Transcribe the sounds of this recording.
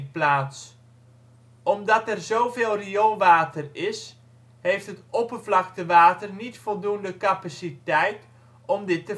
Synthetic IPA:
plaːts | ɔmdɑtɛrzowveːlˠriolˠʋaːtərɪs | ɦejftɦətɔpərvlɑk̚təʋaːtərnitfɔlˠdundəkapasitɛjt | ʔɔmdɪtːə

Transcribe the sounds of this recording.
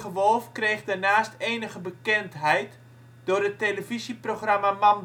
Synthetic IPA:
χəʋɔlˠfkreːχdərnaːsteːnəɣəbəkɛntɦɛjt | d̥ʊrətːeləviziproxramaman

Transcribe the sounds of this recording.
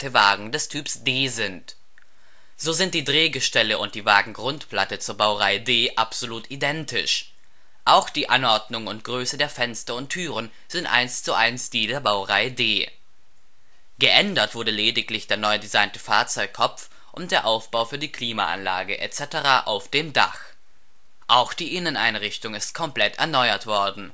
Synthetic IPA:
təvaːɡŋ̩dɛstʰyːpsd̥eːzɪnt | z̥oːzɪnt̚d̥iːdʁeːɡəʃtɛləʔʊnt̚d̥iːvaːɡŋ̩ɡʁʊntpl̥atət͡suːɐbaʊʁaɪədeːʔapz̥oluːtidɛntɪ̰ʃ | ʔaʊxd̥iːʔanʔɔɐdnʊŋənʊntɡ̥ʁøːsədeːɐfɛnstɐʊntʰːyːʁən | z̥ɪntʔa̰ɪnst͡suʔa̰ɪnsd̥iːdeːɐbaʊʁaɪədeː | ɡ̥əʔɛndɐtv̥ʊɐdəleːdɪklɪçd̥eːɐnɔʏdizaɪntəfaːɐt͡sɔʏkkʰːɔpp͡f | ʔʊnt̚d̥eːɐʔaʊfb̥aʊfyːɐdiːkʰl̥iːma̰ʔa̰nla̰ːɡəʔɛ̰t͡sɛtəʁaːʔaʊfd̥eːmda̰χ | ʔaʊxd̥iːʔɪnənaɪnʁɪçtʊŋɪst̚kʰɔmpl̥ɛtɛ̰ɐnɔʏɐtv̥ɔɐdn̩

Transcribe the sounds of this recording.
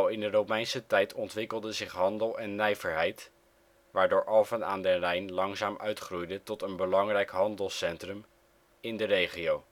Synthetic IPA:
lˠɪndərowmɛjnsətɛjtʰɔntʋɪkəlˠdəzɪχɦɑndəlˠɛnːɛjvəɹɦɛjt | ʋaːɹdoːɹʔɑlˠvəna̰ːndərɛjnlɑŋzaːmœ̰ɥtχrujdətɔtənbəlɑŋrɛjkɦɑndəlˠsɛntrəm | ɪndərejχiow

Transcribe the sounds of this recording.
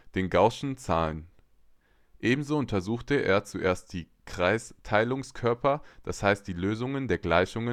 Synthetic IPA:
d̥eːnɡaʊʃn̩t͡saːlən | ʔeːbm̩zoːʊntʰɐzuːxtəʔḛːɐt͡suʔeːɐstd̥iː | kʁ̥aɪstʰaɪlʊŋskʰœɐpɐd̥ashaɪst̚d̥iːløːzʊŋəndeːɐɡlaɪçʊŋə

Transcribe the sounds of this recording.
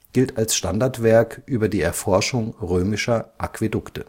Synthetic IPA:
ɡ̥ɪltalsʃtandaɐtv̥ɛɐkʔyːbɐdiːɛɐfɔɐʃʊŋʁøːmɪʃɐʔa̰kv̥edʊktə

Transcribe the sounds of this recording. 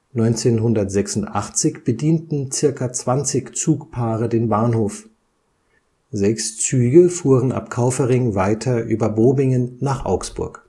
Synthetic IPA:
nɔʏnt͡seːnɦʊndɐtz̥ɛksʊntʔaχt͡sɪçb̥ədiːntn̩t͡sɪɐkat͡sv̥ant͡sɪçt͡suːkpʰaːʁədeːnbaːnhoːf | zɛkst͡syːɡəfuːʁənʔa̰pkʰaʊfəʁɪŋvaɪtʰɐʔy̰ːbɐboːbɪŋənːaːχʔa̰ʊksb̥ʊ̰ɐk

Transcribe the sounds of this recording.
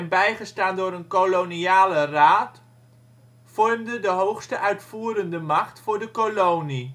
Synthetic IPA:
nbɛjχəstaːndʊːɾənkoloniaːləraːt | fɔrmdədəɦowχstəʔœɥtfuːɾəndəmɑχtfʊːɹdəkolowni

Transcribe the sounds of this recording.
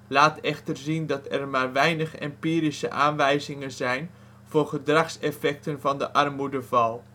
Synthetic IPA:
laːtɛχtərzindɑtɛrmaːrʋɛjnəχɛ̰mpiːɾisə̰ʔaːnʋɛjzɪŋənzɛjn | v̥ʊːrχədrɑχsɛfɛk̚tənvɑndəʔɑrmudəvɑlˠ

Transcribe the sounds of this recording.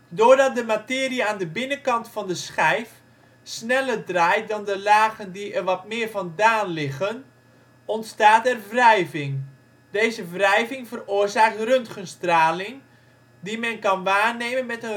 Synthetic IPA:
doːrdɔt̚dəmatɪːəriəaːndəbɪnəkɑntfɔndəsxɛjf | snɛlərdraːjt̚dɔndəlaːɣəndiɛrʋɔtmɪːərvɔndaːnlɪɣən | ɔntstaːtɛrvrɛjvɪŋ | deːzəvrɛjvɪŋvərʊərzaːk̚trøntχənstraːlɪŋ | dimɛnkɑnʋaːneːmənmɛtə

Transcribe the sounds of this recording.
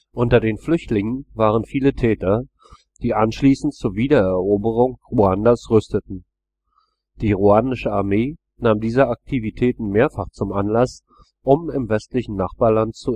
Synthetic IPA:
ʔʊntɐdeːnflʏçtlɪŋənvaːʁ̞ənfiːlətʰɛːtɐ | d̥iːʔanʃliːsn̩tt͡suːɐviːdɐɛɐʔoːbəʁ̞ʊŋʁuandasʁʏstətn̩ | d̥iːʁuanɪʃəaɐmeː | naːmdiːzəak̚tʰivitʰɛːtn̩meːɐfaχt͡sʊmʔanlas | ʔʊmɪmvɛstlɪçn̩naχb̥aːɐlant̚t͡su

